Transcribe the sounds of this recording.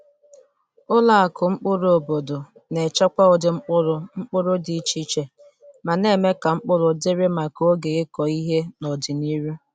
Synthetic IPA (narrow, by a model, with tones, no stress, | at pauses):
ʊ˦la˦˨a˨kʊ˨ŋ͡m̩˦k͡pʊ˦ɾʊ˨o˨bo˨do˨ | ne˨t͡ʃɔ˦kʷa˦ʊ˨dɪ˨ŋ͡m̩˦k͡pʊ˦ɾʊ˦ŋ͡m̩˦k͡pʊ˦ɾʊ˦di˨t͡ʃi˦t͡ʃe˨ | ma˨ne˦˨me˦ka˨ŋ͡m̩˦k͡pʊ˦ɾʊ˨dɪ˦ɾɪ˦ma˨ko˦ɡe˨ɣe˦kɔ˨i˦ɦe˦nɔ˨dɪ˨ni˦ɾu˦